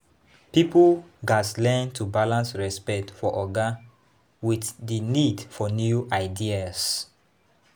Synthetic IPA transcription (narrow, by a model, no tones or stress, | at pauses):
pipoɡaslɛ̃ntʰubalãnsɹɛspɛk̚tfɔʔɔɡa | wiθdinidfɔnjuʔaɪdias